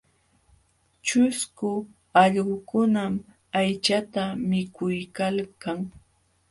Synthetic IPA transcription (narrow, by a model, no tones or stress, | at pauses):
t͡ʃʊskʊ | ɑʎɢʊkʊnam | ajt͡ʃat̪amɪkʊjkalkaŋ